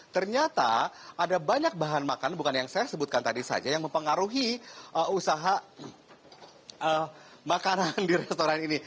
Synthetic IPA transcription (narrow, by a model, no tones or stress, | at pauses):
t̪ərɲat̪a̰ | ʔadabaɲak̚baɦanmakanbukanjaŋsajasəbut̪̚kant̪adisa̰d͡ʒajaŋməmpəŋaɾuɦiʔəusaɦa | ʔə | makanandiɾɛst̪oɾanini